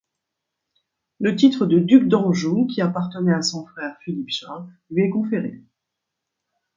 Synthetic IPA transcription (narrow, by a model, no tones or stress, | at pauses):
lət̪it̪χəd̪əd̪ykd̪ɑ̃ʒokʲiapaʁt̪ənɛasɔ̃fχɛʁfilipʃãlɥiɛkɔ̃feʁḛ